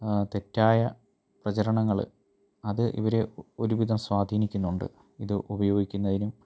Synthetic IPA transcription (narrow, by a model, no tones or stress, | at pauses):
t̪e̞tːaːjɐ | prɐt͡ɕɐɾɐɳɐŋːɐɭ̰ | ɐðɨʔḭʋɐɾe̞o̞ɾuʋid̪ʱɐmswaːd̪ʱiːnikʲːunːuɳɖɨ̰ | iðɨʔubɐjo̞ːɡikʲːunːɐðinum